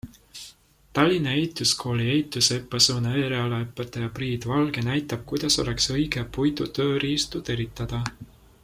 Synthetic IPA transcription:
t̪ɑlʲːinɑejt̪ˑːuskʰo̞ːlʲiejt̪ːˑusepːˑɑsuːnejɾeɑlɑepːˑet̪ːˑɑjɑpriːd̪̥vɑlɡ̥e̞næjt̪ːˑɑb̥̚kujd̪̥ɑso̞̰le̞ksɤjɡ̥epujd̪ut̪ø̞ːɾiːst̪ud̪̥e̞ɾit̪ːˑɑd̪̥ɑ

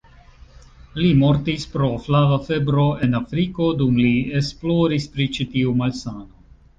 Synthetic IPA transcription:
limo̞ɾtispɾo̞flavafe̞bɾo̞e̞nafɾiko̞dumliesplo̞ɾispɾit͡ʃitiumalsano

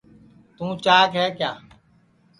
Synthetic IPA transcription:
t̪ũːt͡ʃaːkɦɛːkjaː

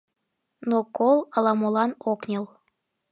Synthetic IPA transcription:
nokolˠɑlɑmolˠɑnoknʲəl

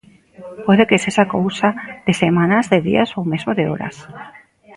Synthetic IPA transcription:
pweðekesesakowsað̥esemãnazðeðḭasowme̞zmoðeo̰ɾa̰s

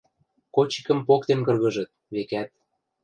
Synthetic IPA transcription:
kot͡ɕi̥kə̆mpokt̪enkɤ̆rɣɤ̆ʒɤ̆t̪̚βekæt̪̚

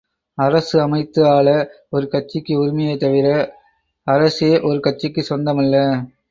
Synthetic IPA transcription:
ɐɾɐsɯɐmɐɪt̪ːɯaːɭɐ | ɔɾɯkɐʈ̚t͡ʃːɪkːɯʊɾɪmɐjɐt̪ɐʋɪɾɐ | ɐɾɐsɯjeːʔɔɾɯkɐʈ̚t͡ʃːɪkːɯsɔnd̪ɐmɐlːɐ

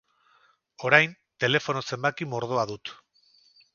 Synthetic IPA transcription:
o̞ɾajn | t̪e̞le̞fo̞no̞se̞mbakimo̞ɾð̞o̞aðut̪

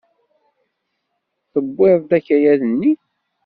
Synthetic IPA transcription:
θəbːɪɾˤd̪æçæjæðənːi

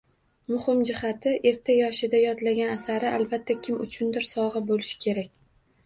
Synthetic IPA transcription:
mʊhɪmd͡ʒɪhat̪ʰɪʔe̞ɾt̪ʰajɒʃɪd̪ajɒd̪laɡʲanasaɾɪʔalˠbat̪ʰːakʲʰɪmʊ̰t͡ʃʰʊnd̪ɪɾsɒʁɨbolɪʃɪ̥kʲʰe̞ɾakʲ

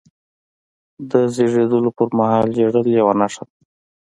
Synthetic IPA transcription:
d̪əzeʐed̪əlopəɾmahɑld͡ʒeɽəljawanaʂad̪

